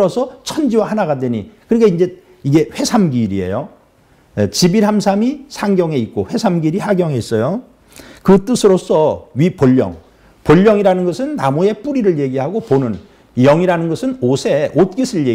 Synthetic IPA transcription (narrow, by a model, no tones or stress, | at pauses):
ʌsʰʌt͡ɕʰʌnd͡ʑiwahanaɡadweɲikɯɾikaind͡ʑe̞ | iɡe̞ɸwe̞sʰamɡiɾie̞̰jo | et͡ɕibiɾɦamsʰamisʰaŋɡjʌŋe̞it̚k͈oɸwe̞sʰamɡiɾihaɡjʌŋeis͈ʌjo | kɯt͈ɯsʰɯɾos͈ʰʌɥipoʎːʌ̰ŋ | poʎːʌŋiɾanɯnɡʌsʰɯnːamue̞p͈uɾiɾɯɭje̞ɡiɦaɡoponɯn | jʌŋiɾanɯnɡʌsʰɯnosʰe̞ʔot̚k͈isʰɯɭje